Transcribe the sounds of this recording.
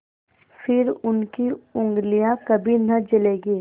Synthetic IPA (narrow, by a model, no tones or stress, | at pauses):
fɪɾʊnkiʊ̃ŋɡlijakɐbʱinɐd͡ʒɐleːɡiː